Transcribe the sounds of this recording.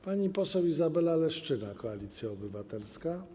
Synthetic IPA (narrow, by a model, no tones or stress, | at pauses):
paɲipɔsɛwizabɛlalɛʂt͡ʂɘnakɔalʲit̪sʲjaɔbɘvat̪ɛlska